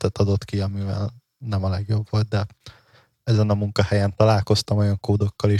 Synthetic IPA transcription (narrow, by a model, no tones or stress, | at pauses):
t̪ɛt̪ɒd̪o̞t̪kiɒmivɛ̰l | nɛmɒlɛɡjo̞bvo̞lt̪̚d̪ɛ | ɛzɛnɒmuŋkɒhɛjɛnt̪ɒlaːlko̞st̪ɒmojɒŋkoːd̪o̞kːɒleː